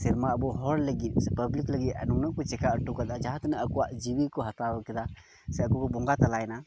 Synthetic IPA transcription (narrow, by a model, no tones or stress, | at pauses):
siɾmaəbɔɦɔɾləɡit̪̚ˀsɛpəblikləɡit̪̚ɐ̰nuŋnɔkɔt͡ʃɛkaʔəʈːukad̪ad͡ʒaɦãt̪ɛnɛəkɔwaʔd͡ʒiwikɔɦat̪awəkɛd̪a | sɛəkukɔbɔŋɡat̪alajɛna